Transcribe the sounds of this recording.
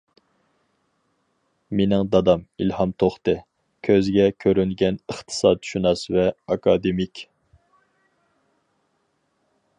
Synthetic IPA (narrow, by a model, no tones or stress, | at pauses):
menɪŋd̪ɑd̪ɑmilhɑmt̪ʰoχt̪ɨ | kʲʰøzɡʲɛkʲʰøɾynɡʲɛnəχt̪ʰɨ̥sɑːd̪̚ʰʃunɑsvɛɑkʰɑd̪emikʲ